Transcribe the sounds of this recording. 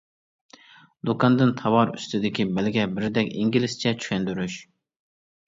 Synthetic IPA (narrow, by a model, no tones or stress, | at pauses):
d̪ukɑnd̪ɨnt̪ʰɑwɑɾy̰st̪ɪd̪ɪkʲibɛlɡʲɛbɪɾɪd̪ɛkʲiŋɡʲilɪst͡ʃʰɛt͡ʃʰy̥kʲɛnd̪yɾyʃ